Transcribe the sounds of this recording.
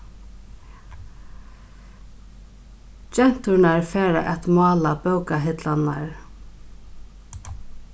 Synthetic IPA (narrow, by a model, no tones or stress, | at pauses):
d͡ʒɛn̥t̪ʊɾnaɹfɛːɾa̰ʔɛt̪mɑːlapœwkaɦɪt̪lanːaɹ